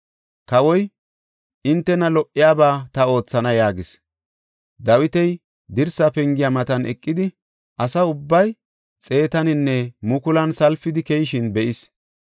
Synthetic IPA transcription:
kɐwɔj | ɪnt̪ːɛnɐlɔʔːɪjaːbaːt̪ɐo̞ːt͡sːɐnɐjaːɡɪs | d̪ɐwɪt̪ɛj | d̪ɪɾsɐpɛŋɡɪjamɐt̪ɐnʔɛkʼːɪd̪ɪ | ʔɐsɐʊbːɐj | t͡sʼe̞ːt̪ɐnɪnːɛmʊkʊlɐnsɐlfɪd̪ɪkɛjɪʃɪnbɛʔɪs

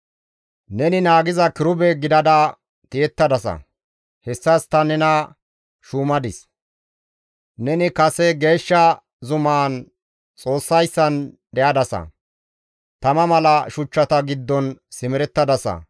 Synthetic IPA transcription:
nɛnɪnaːɡɪzɐkɪɾʊbɛɡɪd̪ɐd̪ɐ | t̪ɪɛt̪ːɐd̪ɐsɐ̰ | hɛsːɐst̪ɐnɛnɐ | ʃuːmɐd̪ɪs | nɛnɪkɐsɛɡe̞ːʃːɐ | zʊmaːn | t͡sʼo̞ːsːɐjsːɐnd̪ɛjɐd̪ɐsɐ̰ | t̪ɐmɐmɐlɐʃʊt͡ʃːɐt̪ɐɡɪd̪ːɔnsɪmɪɾɛt̪ːɐd̪ɐsɐ̰

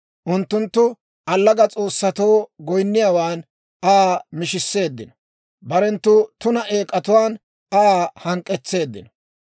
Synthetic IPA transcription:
ʔʊnt̪ːʊnt̪ːʊ | ʔɐlːɐɡɐt͡sʼo̞ːsːɐt̪o̞ːɡɔjnːɪjaːwaːn | amɪʃɪsːe̞ːd̪ːɪnɐ | bɐɾɛnt̪ːʊt̪ʊnɐʔe̞ːkʼːɐt̪ʊwaːn | ahɐŋkʼːɛt͡sːe̞ːd̪ːɪ̰nɐ

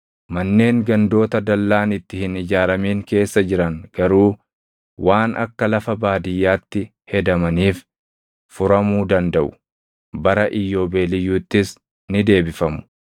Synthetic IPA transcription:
mɐnːe̞ːŋɡɐnd̪o̞ːt̪ɐd̪ɐlːaːnɪt̪ːɪhɪnɪd͡ʒaːɾɐmiːŋke̞ːsːɐd͡ʒɪɾɐŋɡ̥ɐɾuː | waːnʔɐ̰kːɐlɐfɐbaːd̪ɪjːaːt̪ːɪ | hɛd̪ɐmɐniːf | fʊɾɐmuːd̪ɐnd̪ɐʔʊ̥ | bɐɾɐʔɪjːo̞ːbe̞ːlɪjːuːt̪ːɪs | nɪd̪e̞ːbɪfɐmʊ̥

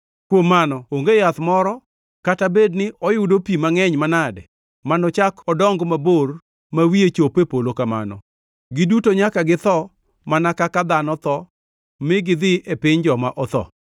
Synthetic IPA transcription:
kwomːanɔoŋɡejat̪mɔɾɔ | katabednɪʔɔjʊdopimaŋɛɲmanadɛ | manɔt͡ʃakɔdɔŋɡmabor | mawiet͡ʃopepolokama̰nɔ̰ | ɡɪdutoɲakaɡɪt̪ɔ | manakakad̪anɔt̪ɔ | mɪɡɪd̪ɪʔepɪɲd͡ʒɔmaʔɔt̪ɔ̰

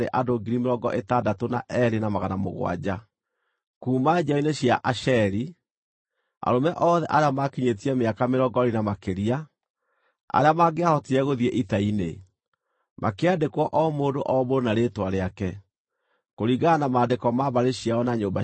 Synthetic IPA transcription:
ḛʔadoɡiɾimeɾɔɡɔ̰ʔetadatona̰ʔɛɾenamaɣanamo̰ɣw̰a̰d͡ʑa | kuːmad͡ʑaɔineɕjaʔaʃɛɾi | a̰ɾomɛʔɔːðɛʔaɾeamakiɲet̬iɛmeakameɾɔɡɔɾinamakeɾia | a̰ɾeamaɡeahɔtiɛɣoðiɛʔitainḛ | mʔa̰keadekwɔʔɔmoːdoʔɔboɾonaɾetwaɾeakɛ | koɾiɣanamaːdekɔmaβaɾeɕiaɔnaɲoːmba

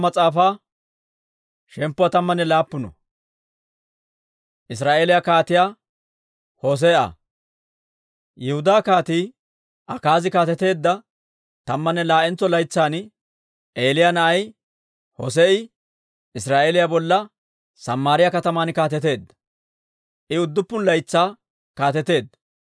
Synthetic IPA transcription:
mɐt͡sʼaːfaː | ʃɛmpːʊwat̪ɐmːɐnːɛlaːpːʊnɔ | ʔɪs̬ɾaːʔeːlɪjakaːt̪ɪjaː | hoːs̬eʔɐ̰ | jɛhʊd̪aːkaːt̪iː | ɐkaːzɪkaːt̪ɛt̪e̞ːd̪ːɐ | t̪ɐmːɐnːɛlaːʔɛnt͡sɔlɐjt͡sːaːn | ʔeːlɪjanɐʔɐj | ho̰s̬eɪ | ʔɪsɾaːʔeːlɪjabɔlːɐ | sɐmːaːɾɪjɐkɐt̪ɐmaːnkaːt̪ɛt̪e̞ːd̪ːɐ̥ | ʔɪʊd̪ːʊpːʊnlɐjt͡sːaː | kaːt̪ɛt̪e̞ːd̪ːɐ

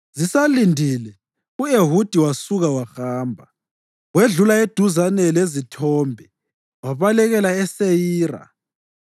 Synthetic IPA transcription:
zisalindʱilɛ | ueɦud̥ʱiwasuɣawaxaːmbʱa | weɮulaed̥ʱuzanɛlezitʰɔːmbʱɛ | waβalɛɣɛlaɛsejiːra̰

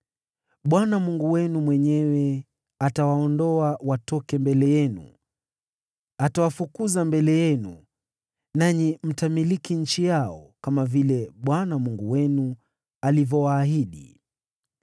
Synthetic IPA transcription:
ɓwanamuŋɡuwɛnumwɛɲɛwɛ | atawaɔndɔawatɔkɛmbɛlɛjɛnṵ | atawafukuzambɛlɛjɛnu | naɲim̩tamilikinɲ̩t͡ʃijaɔkamavilɛɓwanamuŋɡuwɛnu | alivɔwaːɦiɗḭ

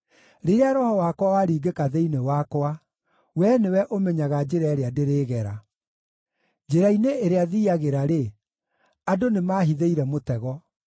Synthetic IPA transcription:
ɾeɾeaɾɔhɔwaːkwawaɾiːɡekaðeinewakwa | wɛnewɛʔomɛɲaɣad͡ʑeɾaeɾeadeɾeːɣɛɾa̰ | d͡ʒeɾaineːɾeaðiːaɣeɾaɾe | adonemaɦiðeiɾɛmotɛɣɔ

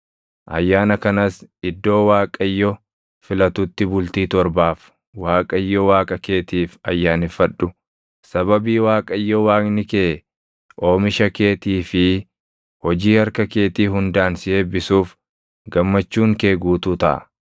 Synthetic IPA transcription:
ʔɐ̰jːaːnɐkɐnɐsɪd̪ːo̞ːwaːkʼɐjːɔ | fɪlɐt̪ʊt̪ːɪbʊlt̪iːt̪ɔɾbaːf | waːkʼɐjːɔwaːkʼɐke̞ːt̪iːfɐjːaːnɪfɐᶑːʊ | sɐbɐbiːwaːkʼɐjːɔwaːknɪkeː | ʔo̞ːmɪʃɐke̞ːt̪iːfɪ | hɔd͡ʒiːhɐɾkɐke̞ːt̪iːɦʊnd̪aːnsɪeːbɪsuːf | ɡɐmːɐt͡ʃːuːŋke̞ːɡuːt̪uːt̪ɐ̰ʔɐ̰

